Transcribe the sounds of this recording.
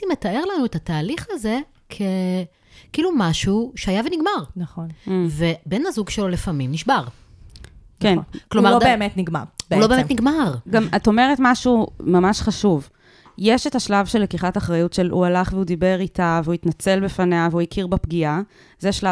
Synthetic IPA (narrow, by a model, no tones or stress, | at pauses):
imetae̞ʁlanuetataːliχaze̞ | kʰe | kiːlumaʃuʃeajaveniɡmaʁnaχonvebe̞nazuɡʃelo̞lefamimniʃbaʁ | kenklomaʁobeemetniɡma̰ʁbulobeːmetniɡmaʁɡamato̞meʁetmaʃumamaʃχaʃuv | jeʃetaʃlavʃelːekiχataχʁajutʃe̞lualaχveudibe̞ʁitaveuitnat͡se̞lbefaneaveuikʰiʁbapɡia | zeʃla